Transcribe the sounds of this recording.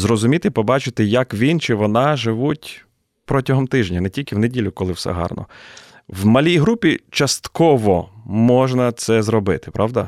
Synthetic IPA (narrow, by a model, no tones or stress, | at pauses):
zɾɔzʊmʲit̪ɪpɔbɑt͡ʃɪt̪ɪjɐkʋʲint͡ʃɪʋɔnɑʒɪʋutʲ | pɾɔtʲɐɦɔmt̪ɪʒnʲɐnɛtʲilʲkɪwnedʲilʲʊkɔlˠɪwsɛ̰ɦɑ̰rnɔ̰ | wmɐlʲijɦɾupʲit͡ʃɐst̪kɔʋɔmɔʒnɐt̪sɛzɾɔbɪt̪ɪ̥pɾʔɑʋd̪ɐ